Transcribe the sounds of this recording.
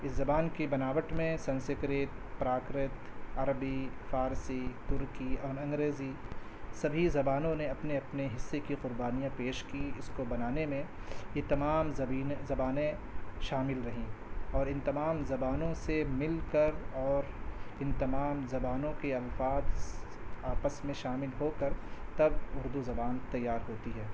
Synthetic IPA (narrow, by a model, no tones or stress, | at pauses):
ɪszɐbaːnkebɐnaːʋəʈmẽsɐ̃nsɪkɾeːt̪̚pɾaːkɾɪt̪ɐɾbifaːɾsit̪ʊɾkiɔːɾɐ̃ŋɡɾeːzi | sɐbʱizɐbaːnõneɐpneɐpneɦɪsːekiqʊɾbaːnijãpeːʃkiɪskobɐnaːnemẽjet̪ɐmaːmɐiːnzɐbaːnẽ | ʃaːmɪlɾɐɦĩɔːɾɪ̃nt̪ɐmaːmzɐbaːnõsemɪlkɐɾɔːɾɪ̃nt̪ɐmaːmzɐbaːnõkeɐlfaːd̪ | aːpəsmẽʃaːmɪlɦoːkɐɾt̪ɐbʊɾd̪uzɐbaːnt̪ɐjːaːɾɦoːt̪iɦɛː